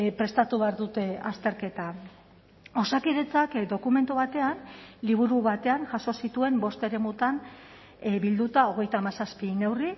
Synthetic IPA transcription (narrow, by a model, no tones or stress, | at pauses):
pɾe̞st̪at̪uβeaɾðut̪e̞ast̪e̞ɾke̞t̪a | o̞sakiðe̞t͡sakd̪o̞kume̞nt̪uβat̪e̞anliβ̞uɾuβat̪e̞anʝaso̞sit̪ue̞mbo̞st̪e̞ɾe̞mut̪an | bild̪ut̪ao̞ɣe̞jt̪aːmasaspine̞wri